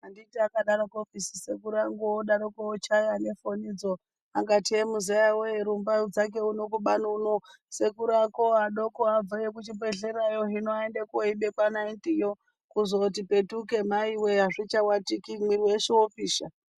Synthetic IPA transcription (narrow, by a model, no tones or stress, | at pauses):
anditiakaɗaɾokofisi̥sekuɾaŋɡooɗaɾokoot͡ʃajane̞fo̞nid͡zo | aŋɡatiemuzajaweeɾumbad͡zak̬e̞unokuɓanuno | se̞kuɾakoaɗokoab͡vajek̬ut͡ʃibe̞ɮe̞ɾajo̞ɦinoendekoiɓekwanaintijo | kuzot̬ipe̞tuke̞maiweaʐit͡ʃawatikimwiɾiweʃiwopiːʃa̰